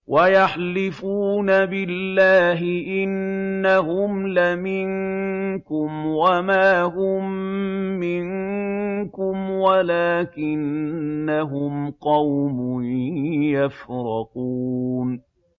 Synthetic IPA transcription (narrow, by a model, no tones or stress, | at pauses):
wajaħlɪfuːnabɪlːaːɦɪʔɪnːaɦʊmlamɪŋkʊmwamaːɦʊmː | ɪŋ | kʊmwalaːkɪnːaɦʊmqɑwmʊ | jafɾɑquːn